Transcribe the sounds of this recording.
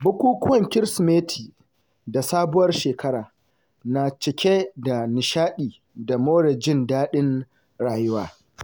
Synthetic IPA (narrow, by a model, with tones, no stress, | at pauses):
bʊ˦kʷuː˦kʷʊ˦wɐ˨ŋkʲɪ˦ɾsmeː˦tʰiː˨ | da˨saː˦bʊ˦wɐ˦rʃeː˨kʰɐ˦ɾaː˨ | na˨t͡ʃɪ˨kʲe˦da˨nɪ˨ʃaː˦ɗiː˨ | da˨moː˦ɽe˨d͡ʒɪ˦ndaː˦ɗɪ˦n | ɽaː˨jʊ˦waː˦